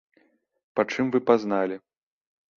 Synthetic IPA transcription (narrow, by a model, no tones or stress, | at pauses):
pat͡ʂɨmvɨpaznalʲi